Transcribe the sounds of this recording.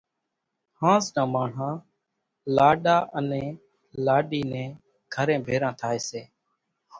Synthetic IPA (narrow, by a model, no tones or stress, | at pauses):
hãːznãːmaːɳ̤ãː | laːɗaːʔənẽː | laːɗiːnɛ̃ː | ɡʰʱəɾẽːbʱeːɾãːt̪ʰaːeːseː